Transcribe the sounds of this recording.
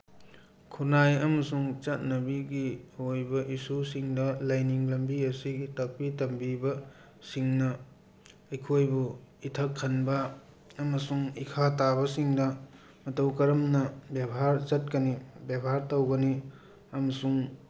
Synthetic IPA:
kʰunajɐmɐsuŋt͡ʃɐt̚nɐbiɡiojbɐʔisusiŋdɐlɐjniŋlɐmbiɐsiitɐk̚pitɐmbibɐ | siŋnɐ | ɐjkʰojbuitʰɐkʰːɐnbɐ | ɐmɐsuŋikʰatabɐsiŋdɐ | mɐtɐwkɐɾɐmnɐbjebɐɦaɾt͡ʃɐt̚kɐnibjebɦaɾtɐwɡɐni | ɐmɐsuŋ

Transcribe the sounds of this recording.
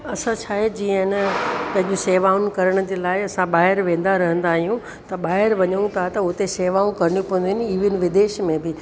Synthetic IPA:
ɐsãt͡ɕʰaːɦed͡ʑiːənpɐ̃ɦɪ̃ɲd͡ʑũseːʋaːunkɐɾəɽ̃ʊd͡ʑeːlaːɪɐsãɓaːɦɪɾʋẽːn̆d̪aɾɐɦə̃n̆d̪aːɦijũ | t̪ɐɓaːɦɪɾʋɐɲəũt̪ʰat̪ɐʊt̪eseːʋaːũkɐɾəɽ̃ijũpɐɦə̃nd̪uiniːʋənʋɪd̪eːʃmẽbɪ

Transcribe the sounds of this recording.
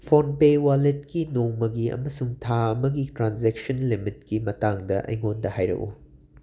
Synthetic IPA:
pʰonpewaletkinoŋmɐɡiɐ̰mɐsuŋtʰaɐmɐɡitɾanzek̚sɐnlimitkimɐtaŋdɐʔɐ̰jŋondɐhajɾɐ̰kṵ

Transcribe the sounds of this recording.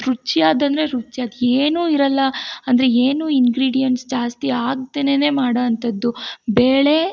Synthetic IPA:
ɾut͡ʃijaːd̪ɐnd̪ɾeɾut͡ʃːjaːd̪eːnuːiɾɐlːɐɐnd̪ɐɾeeːnuːiŋɡɾiːɽijɐnʈsd͡ʒaːst̪iaːɡ̚t̪eːnene̞ːmaːɽɐɐnt̪ɐd̪ːubeːɭe̞

